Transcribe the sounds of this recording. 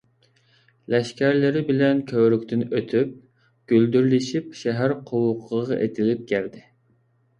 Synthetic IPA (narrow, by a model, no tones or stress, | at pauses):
lɛʃkʲæɾlɪɾɪbɪlɛnkʲʰøwɾykʲt̪ɪnøt̪ʰyp̚ | ɡ̥ʲøld̪yɾlɪʃip̚ʃɛɦæɾqʰowʊqʰːəʁɑ̰ʔet̪ʰɪlɪp̚kʲʰæɾd̪ɪ